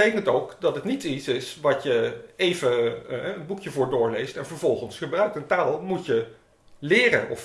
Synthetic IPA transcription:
ejkəntowkdɑtɦətnitisɪsʋɑtjəejvəɛənbukjəvʊːɹdʊːɹlejstɛnvəɹvɔlˠχənsχəbrœɥk̚təntaːlˠmucjə | lɪːrə̰nɔ̰f

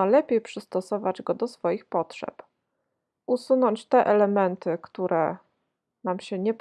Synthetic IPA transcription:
alɛpʲjejpʂɘst̪ɔsɔvad͡ʑɡɔd̪ɔsfɔjixpɔtʂɛ̰p | ʔusunɔɲt͡ɕt̪ɛʔɛlɛmɛnt̪ɘkt̪uɾʔɛ̰ | namɕɛɲɛp

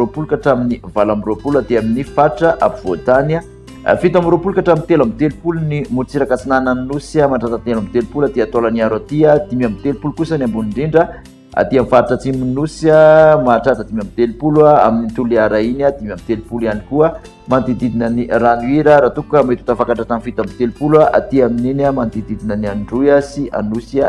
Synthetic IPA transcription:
opulukaʈ͡ʂaminivalamiropulad̪eaminifaɾʈ͡ʂəʔa̰puvot̪ana̰ | fit̪amiɾopulukaʈ͡ʂamint̪elamit̪elupulunimut͡siɾakat͡sinanannusamaʈ͡ʂat̪at̪elamit̪elupulad̪eat̪olaniaɾwat̪iad̪̥imamit̪elpulukusanambuniɳɖ͡ʐiɳɖ͡ʐə | a̰t̪iamifaɾiʈ͡ʂat͡siminusamaʈ͡ʂat̪ad̪imamit̪elupulwaa̰minint̪uliaɾainad̪imamit̪elpulianikuə | mand̪id̪id̪inəniranuiɾəɾat̪ukukamet̪u̥t̪afakaɳʈ͡ʂat̪anifit̪amit̪elupulaʔa̰t̪iamininamand̪id̪id̪inanianɖ͡ʐujasia̰nusa

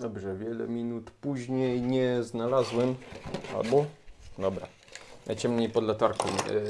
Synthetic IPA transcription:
d̪ɔbʐɛvʲjɛlɛ̰mʲinut̪puʑɲejɲɛznalazwɛma̰lbɔd̪ɔbɾa̰ | nʔajt͡ɕɛmɲejpɔd̪lɛt̪aɾkɔm

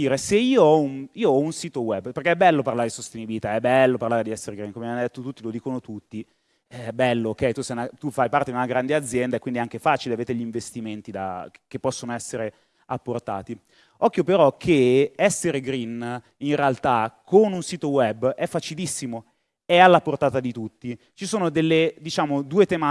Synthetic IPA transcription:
iːɾeseiːoɔuniːoɔunsiːt̪owɛbːperkeɛbːɛlːoparlaɾed̪isost̪enibilit̪aɛbːɛlːoparlaːɾed̪iɛsːeɾeɡɾinkomevjand̪et̪ːot̪ut̪ːilod̪iːkonot̪ut̪ːi | bɛlːookːɛjt̪usɛjnat̪ufajpaɾrt̪ed̪iunaɡɾand̪ead̪zjɛnd̪aekːwind̪iɛaŋkefaːt͡ʃileaveːt̪eʎiɱvest̪iment̪id̪a̰kepːɔsːonoɛsːeɾe | apːort̪a̰ːt̪i | ɔkːjopeɾɔkʰeɛsːeɾeɡɾin | inrealt̪akʰonunsiːt̪owɛbːɛfːat͡ʃilisːimo | ɛalːaport̪aːt̪ad̪it̪ut̪ːi | t͡ʃisoːnod̪elːed̪it͡ʃaːmod̪uːet̪ema

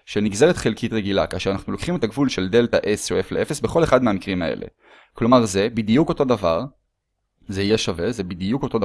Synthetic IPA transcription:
ʃeniɡzeʁet̪χelkʰitʁeɡilakaːʃeanaχnulo̥χime̞t̪aɡvulʃe̞ld̪e̞ltaʔesoeflee̞fesbeχo̞le̞χad̪meamikʁimaḛlʔḛ | klo̞maʁze̞bid̪ijuko̞to̞d̪ava̰ʁ | zejeʃave̞zebid̪ijuko̞to̞d

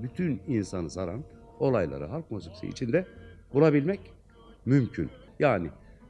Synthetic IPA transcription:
byt̪ʰyninsanɯsaɾa̰n | o̞lˠajlˠa̰ɾɯ̰ɦaɾkmosipsḭʔḭt͡ʃʰind̪ɛbulˠabilʲmɛc | mymcʰy̰n | jaːnɪ

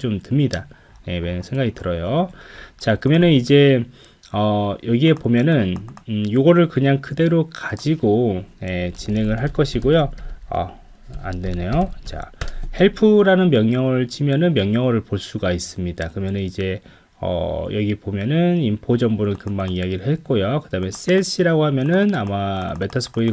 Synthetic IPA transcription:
t͡ɕomtɯmɲida | je̞menɯnsʰe̞ŋɡaɡitɯɾʌjot͡ɕakɯmjʌnɯnid͡ʑe̞ | ʌjʌɡie̞pomjʌnɯnjoɡʌɾɯɭkɯɲaŋkʰɯde̞ɾokad͡ʑiɡoje̞t͡ɕine̞ŋɯɭɦaɭk͈ʌɕʰiɡojoʌ̰ | a̰ndwe̞ne̞jot͡ɕa̰heɭpʰuɾanɯnmjʌŋɲʌŋɯɭt͡ɕʰimjʌnɯnmjʌŋɲʌŋʌɾɯɭpoɭs͈uɡais͈ɯmɲidakɯɾʌmjʌnɯnid͡ʑe̞ | ʌ̰jʌɡiepomjʌnɯnimpʰod͡ʑʌmbunɯnkɯmbaŋiaɡiɾɯɭɦe̞t̚k͈ojokɯdame̞s͈esʰiɾaɡohamjʌnɯnamame̞tʰʌsʰɯ̥bʰoi

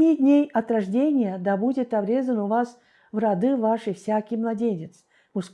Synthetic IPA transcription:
mʲidʲnʲejɐt̪ɾɐʐdʲenʲɪjəd̪abudʲɪt̪ɐbɾʲe̞zənʊvas | vrɐd̪ɨvaʂɨfsʲakʲɪjmlˠɐdʲenʲɪt̪s | mʊʂsk

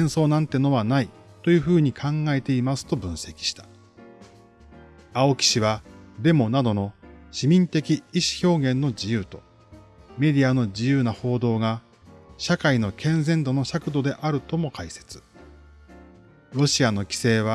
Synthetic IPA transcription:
sẽɰ̃so̞ːnãnt̪e̞no̞βanai | t̪o̞jɯ̟ːɸɯ̟ːɲ̟ikʰãŋɡae̞t̪e̞imasɨ̥t̪o̞bɯ̟̃ɰ̃se̞kʲi̥ɕi̥t̪ḁ | ao̞kʲi̥ɕiβad̪e̞mo̞nad̪o̞no̞ɕimʲĩnt̪e̞kʲiːɕi̥ço̞ːɡẽ̞nːo̞d͡ʑijɯːt̪o̞̥ | me̞d̪ʲiano̞d͡ʑijɯ̟ːnaho̞ːd̪o̞ːɡa | ɕakaino̞kʰẽ̞nzẽ̞nd̪o̞no̞ɕakɯ̟d̪o̞d̪e̞ʔaɾɯ̟t̪o̞mo̞kʰaise̞̥t͡sɨ̥ | ɾo̞ɕiano̞kʲi̥se̞ːβ̞a

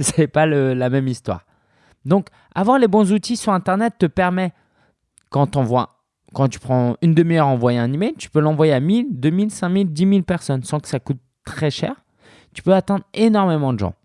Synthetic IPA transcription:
sɛpaləlamɛmist̪wa̰ːʁ | d̪ɔ̃k | a̰vwaʁlebɔ̃zut̪isyʁɛ̃t̪ɛʁnɛt̪ːəpɛʁmɛ | kɑ̃t̪ɑ̃vwa̰ | kɑ̃t̪y̥pχɑ̃ynd̪əmijœʁɑ̃vwajeɛ̃nimɛjlt̪y̥pølɑ̃vwajeamild̪ømilsɛ̃mild̪imilpɛʁsɔnsɑ̃kə̥sakut̪ː | χɛʃɛ̰ːʁ | t̪y̥pøat̪ɛ̃d̪ʁenɔʁmemɑ̃d̪əʒɑ̰̃

